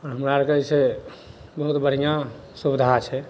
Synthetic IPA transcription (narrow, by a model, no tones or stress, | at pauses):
ɔːɾɦəmɾaɾəkɛse | bəɦut̪bəɽ̤ijã | subid̪ʱat͡ʃʰɛ